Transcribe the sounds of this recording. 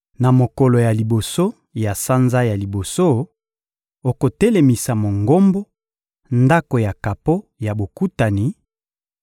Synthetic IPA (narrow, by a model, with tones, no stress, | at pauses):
na˨mo˨kɔ˨lo˨ja˨li˨bo˨so˦ | ja˨sa˦nza˦ja˨li˨bo˨so˦ | o˨ko˨te˦le˨mi˨sa˨mo˨ŋɡo˦mbo˦ | nda˦ko˨ja˨ka˨po˦ja˨bo˨ku˦ta˨ni˨